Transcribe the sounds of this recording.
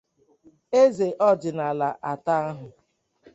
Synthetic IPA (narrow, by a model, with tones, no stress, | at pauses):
e˦ze˨ʔɔ˦d͡ʒɪ˨na˨la˨ʔa˨ta˦a˦ɦʊ˨